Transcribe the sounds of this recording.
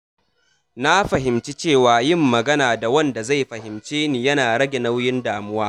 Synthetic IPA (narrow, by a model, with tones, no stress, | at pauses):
na˦ɸɐ˨ɦɪ˨mt͡ʃi˦t͡ʃeː˦˨waː˨jɪ˦˨mːɐ˨ɡɐ˦naː˨da˨wɐ˦nda˨za˦˨jɸɐ˨hɪ˨mt͡ʃeː˦niː˨jɐ˦naː˨ɽɐ˦ɡʲe˨na˦wjɪ˦ndaː˨mʊ˦waː˦